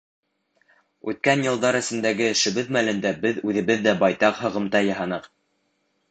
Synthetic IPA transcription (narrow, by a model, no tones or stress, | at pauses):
ʉt̪̚kænjɤ̆lˠd̪ɑɾɘ̆sɘ̆nd̪æɡɘʃɘ̆βɘðmælɘ̆nd̪æbɘðʉðɘ̆βɘðːæbɑjt̪ɑqɦɤ̆ʁɤ̆mt̪ɑjɑɦɑnɤq